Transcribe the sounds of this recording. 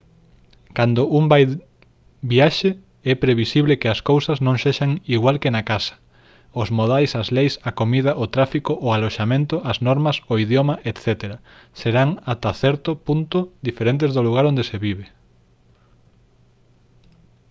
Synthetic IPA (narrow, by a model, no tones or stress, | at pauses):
kand̪ʊʔumbaj | biaʃɪ | ɛpɾeβisiβlekɪɐskowsɐznõŋseʃaŋiɣwalkɪnakasɐ̥ | ozmoðajsɐzlejsɐkomiðɐʔot̪ɾafikoʔʊaloʃamẽnt̪ʊʔɐznɔɾmɐsoiðjomɐʔet̪θɛt̪eɾɐ | seɾaŋat̪aθɛɾt̪ʊpunt̪ʊd̪ifeɾent̪̬ezðʊluɣ̞aɾõnd̪eseβiβe